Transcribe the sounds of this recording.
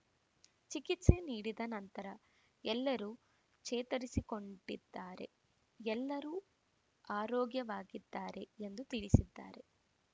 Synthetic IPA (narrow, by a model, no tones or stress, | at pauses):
t͡ʃikit̪se̞niːɽid̪ɐnɐnt̪ɐɾɐ | ɛlːɐɾuː | t͡ʃeːt̪ɐɾisiko̞ɳɖid̪ːaːɾe̞̰ | ɛlːɐɾuː | aːɾoːɡjɐʋaːɡid̪ːaːɾe̞end̪ut̪iɭisid̪ːa̰ːɾe̞